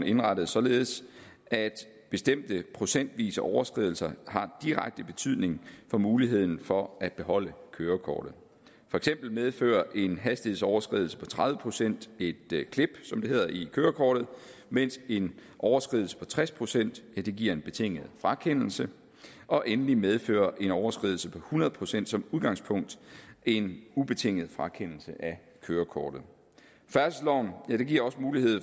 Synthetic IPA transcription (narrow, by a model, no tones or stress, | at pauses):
n̩e̝nʁɑɾ̥əð̞̩ˠsɒ̽le̝ːð̞̩ˠs | ʔæd̥ | b̥e̝sd̥em̰d̥əpʰʁo̝sen̰d̥ʋḭːsəʔɒʊɐsɡ̥ʁið̞ˠl̩sɐhɑ̈d̥iʁaɡ̥̚d̥əb̥e̝t͡sʰyðˠne̝ŋfɒ̽muːliɦe̝ð̰ˠn̩fɒ̽æd̥̚b̥e̝ɦɒ̽l̰əkʰøːɐkʰɒ̰ːd̥ð̩ˠ | fɒ̽eɡ̥sem̰b̥l̩með̞ˠfø̰ːɐʔe̝nɦæsd̥ihesɒʊɐsɡ̥ʁiðˠl̩sə̥pʰɒ̽t͡sʰʁɑ̈ðˠʋəpʰʁo̝sen̰d̥e̝d̥kʰle̝b̥sɒ̽md̥e̝ɦe̝ð̞̰ˠɐʔikʰøːɐkʰɒ̰ːɾ̥ð̩ˠmen̰se̝nʔɒʊɐsɡ̥ʁḭðˠl̩sə̥pʰɒ̽t͡sʰʁaspʰʁo̝sen̰d̥jæd̥e̝ɡ̥iɐ̰e̝nb̥e̝t͡sʰe̝ŋ̰əð̞̩ˠfʁɑ̈kʰen̰l̩sə | ʔɒ̽ʔenlimeð̞ˠfø̰ːɐʔe̝nɒʊɐsɡ̥ʁḭðˠl̩səpʰɒ̽hunɐðˠpʰo̝sen̰d̥sɒ̽muðˠɡ̥ɑ̈ŋspʰɔ̽ŋ̰d̥e̝nub̥e̝t͡sʰe̝ŋ̰əð̩ˠfʁɑ̈kʰen̰l̩səʔæ | kʰøːɐkʰɒːd̥ð̞̩ˠ | fæɐsslɒʊ̰njæd̥e̝ɡ̥iɐɒ̽smuːlihe̝ð̰ˠ